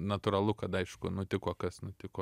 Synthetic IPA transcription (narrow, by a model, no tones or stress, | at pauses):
nɐt̪ʊɾɐlˠʊkɐt̪ɐɪʃkʊnʊt̪ʲɪkoːkɐsnʊt̪ʲɪkoː